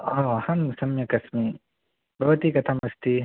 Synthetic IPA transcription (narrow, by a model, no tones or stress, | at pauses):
ɔːhɐmsɐmjɐkɐsmi | bʱɐʋɐt̪ikɐt̪ʰamɐst̪ʰi